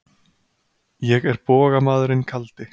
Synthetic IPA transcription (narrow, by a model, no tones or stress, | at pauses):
jɛɣɛɾpɔːɣamaːðʏɾɪnkʰalt̪ɪ